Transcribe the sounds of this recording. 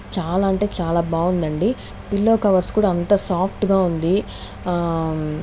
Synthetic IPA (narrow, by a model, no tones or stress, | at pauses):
t͡ʃaːlaːɐɳʈe̞ːt͡ʃaːlaːbaːund̪ɐɳɖi | pilːo̞ːkɐʋɐɾskuːɽaːnt̪ɐsaːpʰʈɡaːund̪i